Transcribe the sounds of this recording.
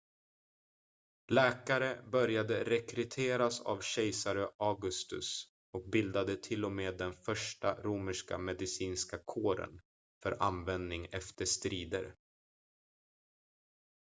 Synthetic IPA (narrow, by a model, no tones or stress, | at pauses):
lɛːkaɾəbœɾjad̪əɾɛkɾɵt̪ʰeːɾasa̰vɕɛjsaɾəʔaɡɵst̪ɵ̰s | ɔk̚bɪld̪ad̪ət̪ʰɪlːɔmeːd̪ɛnfœʂʈaɾuːməʂka̰mɛd̪ɪsiːnskakʰoːɾə̰n | fœɾa̰nvɛnd̪nɪŋɛft̪əʂt̪ɾiːd̪ə̰ɾ